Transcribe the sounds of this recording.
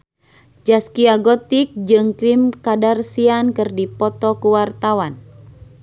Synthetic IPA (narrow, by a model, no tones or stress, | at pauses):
d͡ʒaskiaɡɔt̪ik̚d͡ʒɨŋkɾimkadarsiankɨrdipɔt̪ɔkuwart̪awan